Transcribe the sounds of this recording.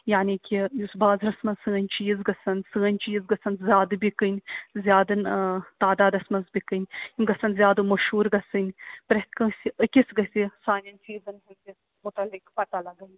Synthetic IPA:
jaːnikʲijusbaːzɾɐsmɐzsɨːɐnʲt͡ʃiːzɡɐsɐnsɨːɐnʲt͡ʃiːzɡɐsɐnzʲjaːd̪ɨbikɨnʲzjaːd̪ɨnt̪aːd̪aːd̪ɐsmɐzbikɨnʲinʲɡɐsɐnzʲjaːd̪ɨmɐʃhuːɾɡɐsɨnʲpɾɐkɐsʲikʲisɡɐsʲisaːnʲɐnʲsʰiːzɐnɦɨnkis | mʊt̪ɐlːikpɐt̪alɐɡɐn

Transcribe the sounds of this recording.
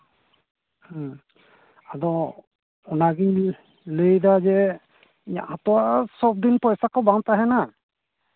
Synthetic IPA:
h | ad̪ɔ | ɔnaɡiɲ | ləjd̪ad͡ʒɛ | iɲa̰ʔat̪ɔwasɔb̚d̪inpɔjsakɔbaŋt̪aɦɛna

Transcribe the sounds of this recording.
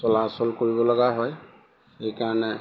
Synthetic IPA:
sɔlaɔsɔlkoɹibɔlɔɡaɦɔj | xejkaɹɔnɛ

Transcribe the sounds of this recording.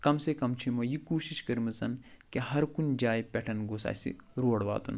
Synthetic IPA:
kɐmsekɐmt͡ʃʰimɐjikuːʃiʃkɐɾmɐsɐn | keɦɐɾkund͡ʒaːjpʲɛʈʰɐnɡoːsa̰ːsḭɾoːɽʋa̰ːt̪ṵn

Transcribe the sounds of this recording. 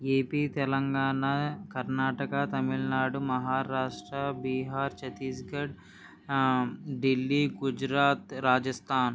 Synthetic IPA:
eːpiːt̪ɛlɐŋɡaːɳakɐɾnaːʈɐkɐt̪ɐmiɭnaːɖumɐɦaːɾaːʂʈɾɐbiːɦaːɾt͡ʃɐt̪iːsɡɐɖ | ɖilːiːɡud͡ʒɾaːt̪ɾaːd͡ʒɐst̪ʰaːn

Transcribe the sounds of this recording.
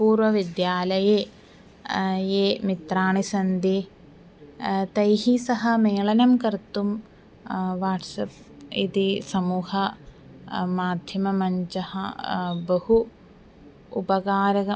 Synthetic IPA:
puːɾʋɐʋid̪jaːlɐjeː | jeːmit̪ɾaːɳisɐnd̪i | t̪ɐjɦisɐɦɐmeːɭɐnɐmkɐɾt̪um | ʋaːʈsɐp̚ | it̪isɐmuːhɐ | maːd̪ʱjɐmɐmɐɲt͡ʃɐhɐ̰bɐhu | pɐɡaːɾɐɐ

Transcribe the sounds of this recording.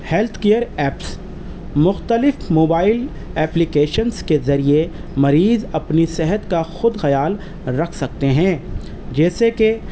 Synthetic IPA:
hɛlt̪ʰkijəɾɛːps | mʊxt̪əlɪfmoːbaːɪl | ɛːplɪkeːʃənskezɐɾiemɐɾiːzɐpnisɛɦət̪kaxʊd̪xɐjaːl | ɾɐkʰsɐk̚t̪eɦɛ̃ː | d͡ʒɛːseke

